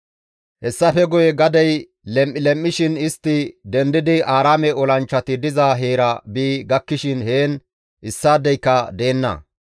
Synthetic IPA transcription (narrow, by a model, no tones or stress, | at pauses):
hɛsːɐfɛɡɔjɛɡɐd̪ɐj | lɛmʔːɪlɛmʔːɪʃɪnɪst̪ːɪd̪ɛnd̪ɪd̪ɪʔaːɾaːmɛɔlɐnt͡ʃːɐt̪ɪd̪ɪzaɦeːɾɐbiːɡɐkːɪʃɪnhe̞ːn | ʔɪsːaːd̪ɛjkːɐd̪e̞ːnːɐ̰